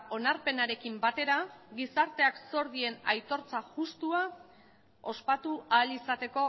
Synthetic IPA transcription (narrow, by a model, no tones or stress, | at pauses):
o̞naɾpe̞naɾe̞kimbat̪e̞ɾaɡisaɾt̪e̞akso̞ɾðie̞na̰jt̪o̞ɾt͡saʝust̪ua | o̞spat̪ualisat̪e̞ko̞